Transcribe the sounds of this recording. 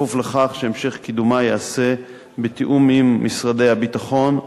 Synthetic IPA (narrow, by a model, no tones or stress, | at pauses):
ufleχaχʃeemʃe̞χkid̪umajease̞ | bet̪iʔumimːisʁade̞jhabitaχo̞n